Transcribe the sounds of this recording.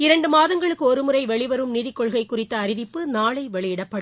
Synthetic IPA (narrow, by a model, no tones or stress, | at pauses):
ɪɾɐɳɖɯmaːðɐŋɡɐɭɯkːɯɔɾɯmɯɾɐɪʋɛɭɪʋɐɾɯmniːðɪkːɔɭɣɐɪkːʊrɪt̪ːɐːɾɪʋɪpːɯnaːɭɐɪʋɛɭɪjɪɽɐpːɐɽɯ